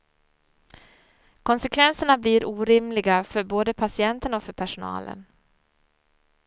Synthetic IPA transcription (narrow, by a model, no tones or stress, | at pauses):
kʰɔnsɛkʰvɛnsəɳabliɾʔuːɾɪmlɪɡafœɾboːd̪əpʰasɪɛnt̪ənɔfœɾpʰæʂʊnɑ̰ːlʔə̰n